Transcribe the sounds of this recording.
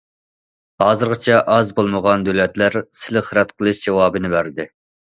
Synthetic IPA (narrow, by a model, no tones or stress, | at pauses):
hɑːzɨɾʁɨt͡ʃʰɛʔɑzbolˠməʁɑnd̪ølɛt̪læɾsɪlɪχəɾɛt̪qʰəlˠɨʃd͡ʒewɑːbɨnɪbæɾd̪ɪ